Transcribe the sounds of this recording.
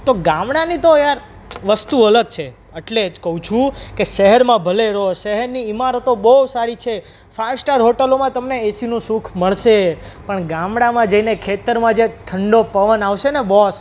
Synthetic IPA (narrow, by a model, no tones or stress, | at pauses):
t̪oɡãmɽanit̪ojaɾ | ʋəst̪uələɡ̚t͡ʃʰe | eʈled͡ʒkəɦũt͡ʃʰũkeʃəɦəɾmãbʱəleɾoʃəɦəɾniimaɾət̪obəsaɾit͡ʃʰe | fasʈəɾɦoʈəlomãt̪əmneesinũsukʰməɭʃepəɳɡãmɽamãd͡ʒəinekʰet̪əɾmãd͡ʒeʈʰəɳɖopəʋənaʋʃenebɔs